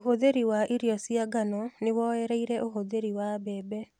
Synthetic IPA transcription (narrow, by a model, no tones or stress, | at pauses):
ohoðeɾiwaʔiɾiɔsiaɡanɔnewɔɛɾeiɾɛʔoɦoðeɾiwabɛːbɛ